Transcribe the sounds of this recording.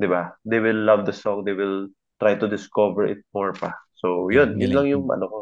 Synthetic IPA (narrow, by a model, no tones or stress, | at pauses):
d̪ɪbad̪ejwɪlːavd̪ɐsɔŋd̪ejwɪl | t̪ɾajt̪ʊd̪ɪskovɛɹɪ̰t̪̚mɔɹpɐsojʊnjʊnlaŋjʊŋʔɐ̰noko